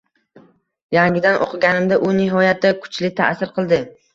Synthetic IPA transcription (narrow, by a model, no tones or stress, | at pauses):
jaŋɡʲɪd̪anʔo̰qʰɨɡʲanɪmd̪aʔʊnɪɦɒjat̪̚ːakʰʊ̥t͡ʃʰlɪt̪ʰa̰ʔsɪɾqʰɨlˠd̪ɪ